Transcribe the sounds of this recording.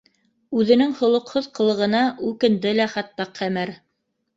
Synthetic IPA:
ʉðɘ̆nɘŋhŏlˠŏqhoðqɤ̆lˠɤ̆ʁɤ̆nɑʉkɘ̆nd̪ɘlæχɑt̪ːɑqʰːæmæɾ

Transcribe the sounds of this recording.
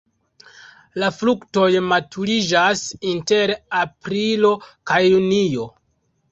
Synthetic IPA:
laflukto̞jmatʰuɾid͡ʒasinte̞ɾapɾilo̞kajːunijo̞

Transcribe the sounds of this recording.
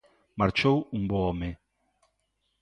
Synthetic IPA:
maɾt͡ʃowumbɔɔme

